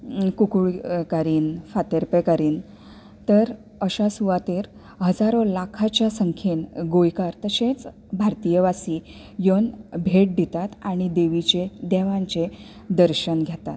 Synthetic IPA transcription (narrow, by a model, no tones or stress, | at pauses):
kukuɭkaɾiːnfat̪əɾpekaɾiːn | t̪əɾ | əɕasuʋat̪iːɾ | ɦəd͡zaɾõlakʰat͡ɕjasəŋkʰenɡojkaɾt̪əsẽt͡s | bʱaɾt̪ijəʋasiː | jonbʱeʈ̚d̪it̪at̪aɽ̃id̪eʋit͡ɕed̪ɛʋãɲt͡ɕe | d̪əɾɕənɡʱat̪at̪